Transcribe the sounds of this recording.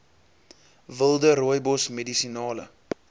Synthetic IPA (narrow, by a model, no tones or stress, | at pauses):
vəlˠdəɾujbɔsmedisinɑːlə̰